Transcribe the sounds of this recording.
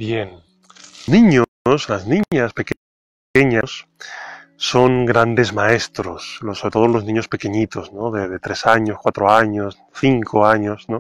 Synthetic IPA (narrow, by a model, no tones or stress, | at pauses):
bjen | onĩɲo | slaznĩaspe̞ke | ekeɲaosː | o̞ŋɡɾand̪e̞zmae̞st̪ɾoslosoɾet̪o̞ðolo̞znĩɲo̞spe̞keɲit̪o̞znoðeðet̪ɾe̞saɲo̞skwat̪ɾoaɲos | θiŋkʰoaɲo̞sno